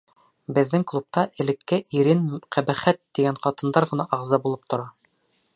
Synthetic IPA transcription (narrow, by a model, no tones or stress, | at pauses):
bɘ̆ðːɘŋklˠup̚t̪ɑʔɘ̆lɘ̆kːɘʔiɾɘnqæbæχæt̪ːiɡæɴqɑt̪ɤ̆nd̪ɑɾʁɤ̆nɑʔɑʁzɑbulˠɤp̚t̪ŏɾɑ